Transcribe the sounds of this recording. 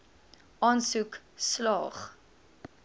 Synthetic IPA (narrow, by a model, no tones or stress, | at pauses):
ʔɑːnsukslɑːχ